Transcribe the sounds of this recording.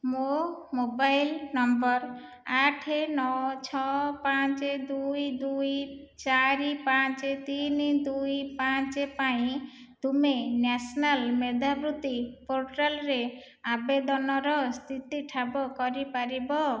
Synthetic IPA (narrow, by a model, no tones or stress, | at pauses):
momobajlnɔmbɔɾ | aʈʰenɔt͡ʃʰɔpãt͡ʃed̪ujd̪uj | t͡ʃaɾipat͡ʃet̪inid̪ujpãt͡ʃepaĩ | d̪̥umenasɔnalmed̪ʱabɾut̪ipoɾʈalɾe | abed̪ɔnɔɾɔst̪ʰit̪iʈʰabɔkɔɾipaɾibɔ